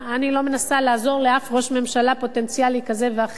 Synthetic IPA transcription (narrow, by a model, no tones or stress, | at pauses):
anilo̞me̞nasalaːzo̞ʁleafʁo̞ʃme̞mʃalapo̞te̞nt͡sijalikazeveaχ